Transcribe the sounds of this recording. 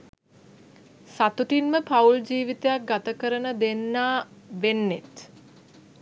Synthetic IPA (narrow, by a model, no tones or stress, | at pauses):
sat̪uʈinməpauld͡ʒiːʋit̪ejak̚ɡat̪əkəɾənəd̪enːaːʋenːet̪